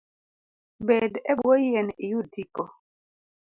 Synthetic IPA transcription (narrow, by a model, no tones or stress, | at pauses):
bɛdɛbɔjɛnijutʰikɔ